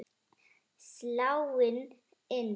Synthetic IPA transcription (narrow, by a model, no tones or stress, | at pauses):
slawen | ɛn